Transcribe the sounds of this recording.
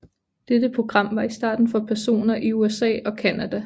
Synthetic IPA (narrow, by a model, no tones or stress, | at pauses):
d̥ed̥əpʰʁo̝ɡ̥ʁɑ̈m̰ʋɑ̈isd̥ɑ̰̈ːd̥n̩fɒ̽pʰæɐso̝̰ːnɐʔiuesɛ̰ːɒ̽kʰænæd̥æ